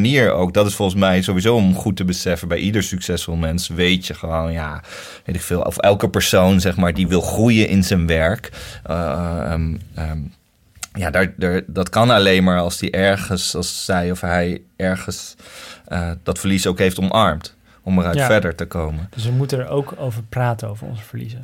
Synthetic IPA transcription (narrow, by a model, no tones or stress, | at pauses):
niːɹo̰wk̚dɑtɪsfɔlˠχənsmɛjzowʋizowɔmχutəbəsɛfəbɛjʔidəɹsyksɛsfɔlˠmɛnsʋejtjəχəʋownja | ʋejtɪkfɪːlˠɔ̰fɛlˠkəpəɹsownzɛχmaːɹdiʋɪlˠχrujənʔɪnzɛnʋɛɹk | ə | jaːdaɹdəɹdɑtkɑnɑlejnmaːɹɑlˠsdiʔɛɹχənsɑlˠsːɛjɔfɦɛjʔɛɹχəns | əd̥ɑtfəɹlisoʊwkɦejftɔmʔɑɹmt | ɔməɾœɥtfɛɹdəɹtəkowməd̥əs̬ʋəmutənəɹowkowvəɹpraːtəno̰wvəɹɔ̰nzəvəlizə